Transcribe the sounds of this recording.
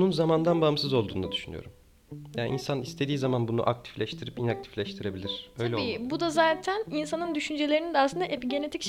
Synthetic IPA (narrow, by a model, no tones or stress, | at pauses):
nunzamand̪anbamsɯzo̞lˠd̪uːnad̪y̥ʃyny̰jo̰ɾum | janʔinsanist̪ʰe̞d̪iːzamanbunṵʔak̚t̪ʰi̥flʲɛʃt̪ʰiɾipinak̚t̪ʰi̥flʲɛʃt̪ʰiɾe̞bilʲiɾ̥øjlʲɛiːbud̪azaːt̪ʰæninsanɯnd̪yʃynd͡ʒelʲeɾinid̪ɛaslˠɯnd̪aʔepiɟe̞ne̞t̪ʰicʃ